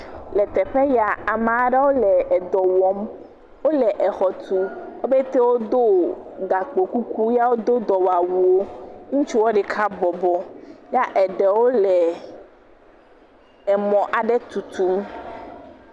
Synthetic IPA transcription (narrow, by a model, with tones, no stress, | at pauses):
lɛ˨t̪ɛ˨ɸe˦ja˨a˨mã˨a˦ɖe˦wo˦lɛ˨ɛ˨d̪ɔ˨wɔ˨m | wo˦lɛ˨ʔɛ˨xɔ˨t̪u˦wo˦be˦t̪e˦wo˦d̪o˦ɡa˨k͡po˨ku˦ku˦ja˦wo˦d̪o˦d̪ɔ˨wa˨wu˨wo˦ŋũ˦t͡ʃu˦wo˦ɖɛ˨kʰa˦bɔ˨bɔ˨ja˦ʔɛ˨ɖɛ˨wo˦lɛ˨ | ɛ˨mɔ̃˨ʔa˨ɖɛ˦t̪u˨t̪u˦